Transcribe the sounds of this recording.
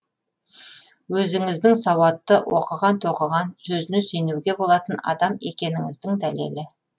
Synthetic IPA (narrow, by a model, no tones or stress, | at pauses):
wɵzɪŋɪzd̪ɪŋsɑwɑt̪ːəwʔo̰qəʁɑnt̪ʰo̞qəʁɑnsɵzɪnɪse̞nuwɡ̪ʲe̞bo̞lˠɑt̪ənɑ̰d̪ɑme̞kʲe̞nɪŋɪzd̪ɪŋd̪æle̞̰lɪ